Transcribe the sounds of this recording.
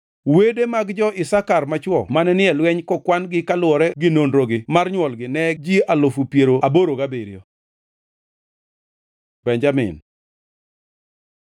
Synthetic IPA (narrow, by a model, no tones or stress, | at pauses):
wedemaɡd͡ʒɔʔɪsakarmat͡ʃwɔmanɛnɪɛlwɛɲkɔkwanɡɪkalwɔɾɛɡɪnonɾoɡɪmarɲwɔlɡɪnɛd͡ʒialofupjeɾoaboɾoɡabeɾjɔ̰ | bɛɲd͡ʒamɪ̰n